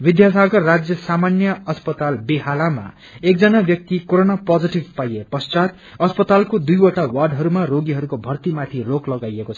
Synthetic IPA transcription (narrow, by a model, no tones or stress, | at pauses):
bid̪jasaɡʌrrad͡zjʌsamanjʌʌspʌt̪albiɦalama̰ | ek̚d͡zʌnabjʌk̚t̪ikoɾonapʌd͡ziʈibpajepʌst͡sat̪ | ʌspʌt̪alkod̪ujoʈawarɖɦʌɾumaroɡiɦʌɾukobʱʌrt̪imat̪ʰiroklʌɡajekot͡sʰʌ̥